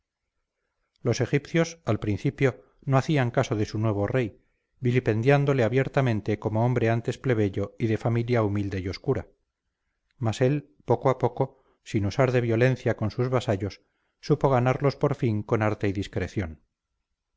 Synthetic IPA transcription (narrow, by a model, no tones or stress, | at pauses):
lo̞se̞xipθjosalpɾin̟θipjo̞ | no̞aθiaŋkaso̞ðe̞sunwe̞β̞o̞re̞j | bilipe̞nd̪jand̪o̞leaβje̞ɾt̪amẽ̞nt̪e̞ko̞mo̞o̞mbɾe̞ant̪e̞sple̞β̞e̞ʎo̞iðe̞familjaumild̪e̞jo̞skuɾa | mase̞l | po̞koapo̞ko̞ | sinusaɾðe̞βjo̞le̞n̟θjako̞nsuzβasaʎo̞sː | upo̞ɣ̞anaɾlo̞spo̞ɾfiŋko̞naɾt̪eiðiskɾe̞θjo̞n